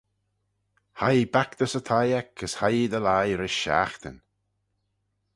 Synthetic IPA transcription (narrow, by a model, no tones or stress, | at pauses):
hajbakd̪əsət̪ʰajɛkʰəshajd̪əlajɾɪʃa̰ːxt̪ə̰n